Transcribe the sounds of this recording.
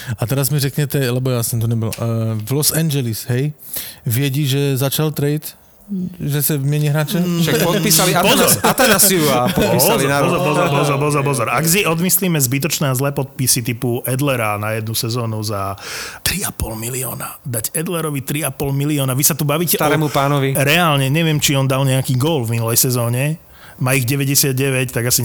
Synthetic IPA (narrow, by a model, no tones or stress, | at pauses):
at̪ɛɾazmiɾɛkɲɛt̪ɛlɛbɔjasɛmt̪̬ɔɲɛbɔlvlɔsɛɲd͡ʒɛlisɦɛj | ʋɪɛɟiʒɛzat͡ʃalt̪ɾɛit̪ | ʒɛsɛvmɛɲiɦɾaːt͡ʃɛt͡ʃpisalipɔzɔɾt̪ɛnasiupiɔalinaɔzɔɾpɔzɔpɔzɔɾpɔzɔɾpɔzɔɾaɡs̬iʔɔd̪misliːmɛzbit̪̬ɔt͡ʃnɛːazlɛːpɔt̪̚pisit̪ipuʔɛd̪lɛɾanajɛd̪nusɛzɔːnuzat̪ɾiapɔlmiliɔ̰ːnad̪aɟɛd̪lɛɾɔʋit̪ɾiapɔlmiliɔːnaʋisat̪ubaʋiːcɛt̪aɾɛːmupaːnɔʋiɾɛalɲɛɲɛʋɪɛmt͡ʃiɔnd̪alɲɛakiːɡɔlvminulɛjsɛzɔːɲɛ | maːiɣɟɛʋɛɟɛsɪad̪̚ɟɛʋɛct̪aɡasiɲ